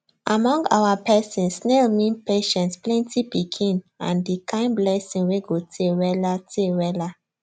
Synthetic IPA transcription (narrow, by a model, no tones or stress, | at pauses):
ʔamɔ̃ŋɡa̰ʊwapɛsĩnsːnelmĩnpeʃɛ̃ntsplɛ̃ntipikʰĩnã̰ndikʰãɪ̃nblɛsĩŋweɡotʰewɛlatʰewɛla